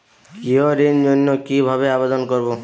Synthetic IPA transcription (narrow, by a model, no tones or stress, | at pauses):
kiɔɾend͡ʒonːɔkibʱabeabed̪ɔnkɔɾbo